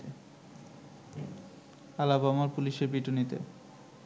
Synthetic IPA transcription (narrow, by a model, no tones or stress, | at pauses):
e | alabamaɾpuliʃeɾbiʈunit̪ḛ